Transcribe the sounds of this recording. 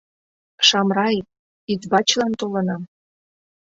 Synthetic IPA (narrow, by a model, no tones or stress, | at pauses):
ʃɑmrɑj | it̪bɑt͡ɕlɑnt̪olə̆nɑm